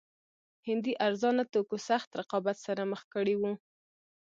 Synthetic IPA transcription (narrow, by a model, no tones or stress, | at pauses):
hɪnd̪iʔaɾzɑnat̪okosaxt̪ɾɪqɑbat̪saɾaməxkəɽiwu